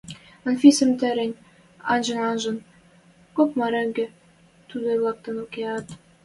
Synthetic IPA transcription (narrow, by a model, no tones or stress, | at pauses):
ə̆nfʲisɘ̆mt̪æɾɘ̆nʲ | ɑnʒɤ̆nɑnʒɤ̆n | kopmɑɾɘ̆ŋɡɘ̆ | t̪ud̪ɤlˠɑk̚t̪ɤ̆nukʲeɑt̪